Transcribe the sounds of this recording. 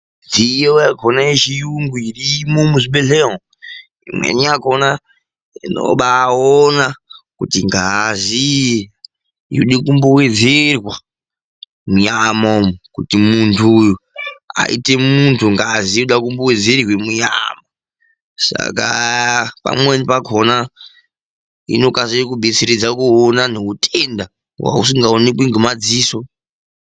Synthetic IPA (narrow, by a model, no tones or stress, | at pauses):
d͡zijejakʰonaeʃijuŋɡuirimomuziɓeɬeo | imwḛniakona | ino̰ɓaonakutiŋɡazi | juɗikumbowed͡zerwa | mujamomkutimuntʰuːjua̰ḭte̞muntʰuŋɡaziuɗakumbowe̞d͡zerwemuja̰ma | sa̰ka̰ | pa̰mwenipakʰona | ḭno̞kasoikubʱeseɾid͡zakuonane̞utʰenda | wa̰ṵsiŋɡaonekweŋɡemad͡ziːso̞